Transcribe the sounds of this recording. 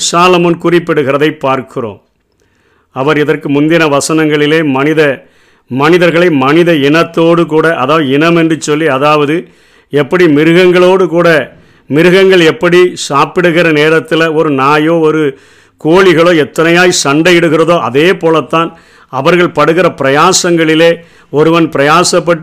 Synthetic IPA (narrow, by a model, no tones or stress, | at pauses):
saːlɐmɐnkʊrɪpːɪɽɯɣɪrɐðɐɪpːaːɾkʰɪro̰ːm | ɐʋɐɾɪðɐrkɯmʊnd̪ɪnɐʋɐsɐnɐŋɡɐɭɪleːmɐnɪðɐ | mɐnɪðɐɾɣɐɭɐɪmɐnɪðɐɪnɐt̪ːoːɽɯk̬uːɽɐʔɐðaːʋɐðɯɪnɐmɛndrɯt͡ʃːɔlːiɐðaːʋɐðɯ | ɛpːɐɽimɪɾɯɣɐŋɡɐɭoːɽɯkuːɽɐ | mɪɾɯɣɐŋɡɐɭɛpːɐɽisaːpɪɽɯɣɪrɐneːɾɐt̪ːɪlɐɔɾɯnaːjoːɔɾɯ | koːɭɪɣɐɭoːɛt̪ːɐnɐjaːjsɐɳɖɐjɪɽɯɣɪrɐðoːʔɐ̰ðeːpoːlɐt̪ːaːn | ɐʋɐɾɣɐɭpɐɽɯɣɪɾɐpɪɾɐjaːsɐŋɡɐɭɪleː | ɔɾɯʋɐnpɪɾɐjaːsɐp̬ːɐʈː